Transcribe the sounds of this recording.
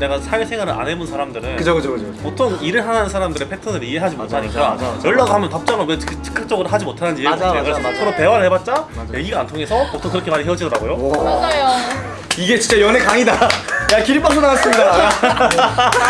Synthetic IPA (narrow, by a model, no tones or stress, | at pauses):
ne̞ɡasʰaesʰeŋwaɾɯɾʔa̰ne̞bonsʰaɾamdɯɾɯnkɯd͡ʑokɯd͡ʑokɯpotʰoŋiɾɯɭɦananɯnsʰaɾamdɯɾe̞pʰe̞tʰɯnɯɾiɦe̞ɦad͡ʑimotʰaɲik͈ajʌɭːaɡahamjʌntʌp̚t͡ɕ͈amʌmʌt͡ɕʰɯ̥k͈ak̚t͡ɕ͈ʌɡɯɾoɦad͡ʑimotʰanɯnd͡ʑieeɡɯsʰʌɾope̞waɾɯɭhe̞bat̚t͡ɕ͈ajeiɾɯantʰoŋe̞sʰʌpotʰoŋkɯɾʌkʰemaɾiɦeʌd͡ʑidʌɾa̰ɡojod͡ʑajo | iɡet͡ɕint͡ɕ͈ajʌnɦe̞kaŋidajakiɾip͈ːak̚s͈ʰonaɡas͈ɯmɲida